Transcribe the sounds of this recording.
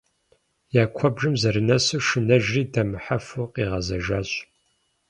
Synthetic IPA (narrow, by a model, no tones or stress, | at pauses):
jaːkʷʰɔbʒɨmzɐɾɨnɐsɨʂɨnɐʒriːdʰɐmɨħafuqiːʁɐzɐʒaːɕ